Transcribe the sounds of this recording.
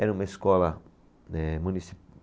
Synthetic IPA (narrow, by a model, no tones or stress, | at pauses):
ɛnũmɐiskɔlɐ | ɛ̃mũnisi̥